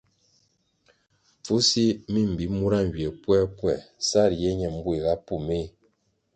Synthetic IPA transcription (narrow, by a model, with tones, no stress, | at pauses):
fu˦si˦mi˦˨m̩˨bi˨˦mu˦ɾa˦ŋ˨ɡi˨ɛ˨pwɛ˦pwɛ˨sa˦˨ɾjɛ˦ɲɛ˨m̩˦bu˦e˨ɣa˦pu˦˨me˦